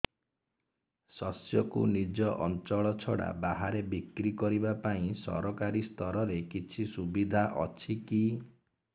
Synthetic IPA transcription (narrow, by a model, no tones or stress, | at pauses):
sɔsjɔkṵnid͡ʒɔʔɔnt͡ʃɔɭɔt͡ʃʰɔɽa̰baɦaɾebikɾikɔɾibapaĩsɔ̰ɾɔkaɾist̪ɔɾɔɾekit͡ʃʰisubid̪ʱaʔɔ̰t͡ʃʰiki